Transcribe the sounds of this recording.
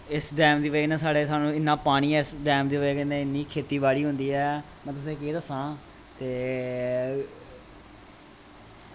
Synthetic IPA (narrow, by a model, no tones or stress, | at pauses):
ɪsɖɛːmd̪iːʋeːnɛ̃ːsaːɽeːsaːnũːɪnːãːpaːɽ̃iːɛːɪsɖɛːmd̪iːʋeːkːnẽːɪnːiːkʰeːt̪iːbaːɽiːɦʊ̃nd̪iːɛː | mɛ̃ːt̪̬ʊs̬ẽːkeːd̪əsãː | t̪eː